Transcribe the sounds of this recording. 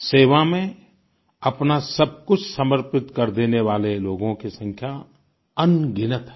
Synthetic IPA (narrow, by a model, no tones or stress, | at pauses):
seːʋamẽ | ɐpnasɐb̚kʊt͡ʃʰsəməɾpɪt̪kɐɾd̪eːneʋaːleloːɡõkisə̃ŋkʰja | ɐnɡɪnət̪ɦɛ